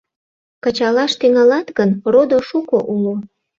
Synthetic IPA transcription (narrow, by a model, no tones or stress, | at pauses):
kət͡ɕɑlɑʃt̪yŋɑlɑt̪ɣənrod̪oʃukoʔulo